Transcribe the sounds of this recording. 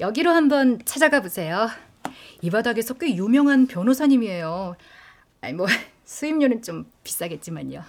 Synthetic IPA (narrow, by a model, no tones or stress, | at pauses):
jʌɡiɾohambʌnt͡ɕʰad͡ʑaɡabosʰe̞jo | ibadaɡe̞sʰʌk͈ejumjʌŋɦanpjʌnosʰaɲimie̞jo | a̰imwʌ | sʰuimɲonɯnt͡ɕ͈ompi̥s͈aɡe̞t̚t͡ɕ͈imaɲo